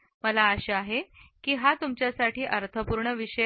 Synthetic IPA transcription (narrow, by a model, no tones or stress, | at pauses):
məlaəɕeaɦekiːɦat̪umt͡ɕjasaʈiːʔəɾt̪ʰəpuɾɳəʋiɕə